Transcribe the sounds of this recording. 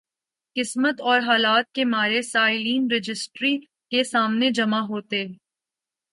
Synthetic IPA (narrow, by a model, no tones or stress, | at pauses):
kɪsmət̪ɔːɾɦaːlaːt̪̚kemaːɾesaːɪliːnɾɪd͡ʒɪsʈɾi | kesaːmned͡ʒɐmaɦoːt̪e